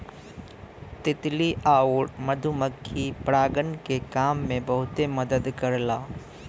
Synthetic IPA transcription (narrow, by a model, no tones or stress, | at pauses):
t̪ɪt̪liʔaːʊɽməd̪ʱuməkʰːipɾaːɡənkekaːmːẽbɐɦʊt̪emɐd̪əd̪kəɾlaː